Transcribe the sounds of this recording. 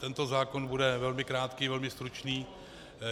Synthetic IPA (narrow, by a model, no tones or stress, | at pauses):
t̪ɛnt̪o̞zaːkonbudɛvɛlmɪkɾaːt̪kiːvɛlmɪst̪ɾut͡ʃniː